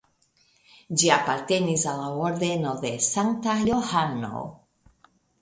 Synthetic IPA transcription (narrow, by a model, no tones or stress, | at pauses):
d͡ʒiapaɾt̪enisalaoɾd̪enoðe̞saŋkt̪ajohano̰